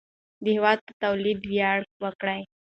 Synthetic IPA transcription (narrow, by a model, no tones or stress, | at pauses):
d̪iɦʋat̪t̪əwliːd̪ʋjaɽk̚ʋəkɽaj